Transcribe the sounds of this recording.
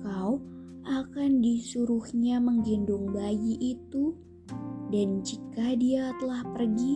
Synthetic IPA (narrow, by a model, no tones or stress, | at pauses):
kaw | ʔakandisuɾuhɲaməŋɡindʊŋbajiʔːt̪u | dand͡ʒikadiat̪əlahpərɡi